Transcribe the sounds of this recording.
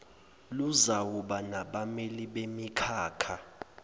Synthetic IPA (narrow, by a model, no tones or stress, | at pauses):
luzawuɓanaɓameliɓemikʰaːkʰa